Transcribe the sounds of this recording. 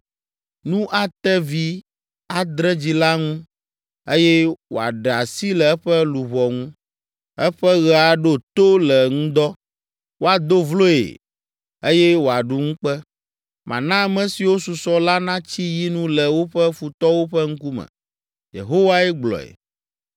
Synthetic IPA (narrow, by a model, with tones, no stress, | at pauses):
nũ˦ʔa˨t̪ɛ˦vi˦ | a˨d̪ɾɛ˦d͡ʑi˨la˦ŋũ˦ | e˦jɛ˦wo̰˨a̰˨ɖɛ˨a˨si˦lɛ˨ɛ˦ɸɛ˦lu˨βɔ˨ŋũ˦ | ɛ˦ɸɛ˦ɣɛ˨a˨ɖo˦t̪o˦lɛ˨ŋũ˦d̪ɔ˦ | wo˦a˨d̪o˦vlo˦ḛ˨ | e˦jɛ˦wo˨a˨ɖu˦ŋũ˦k͡pɛ˦ | mʔã̰˨nã˦˨˦mɛ̃˦si˨wo˦su˨sɔ˦la˦nã˦t͡ɕi˦ji˦nũ˦lɛ˨wo˦ɸɛ˦fu˨t̪ɔ˦wo˦ɸɛ˦ŋ̩˦ku˦mɛ̰̃˨ | jḛ˨ɦo˦wa˦ɛ˦ɡ͡blɔ̰˨ḛ˨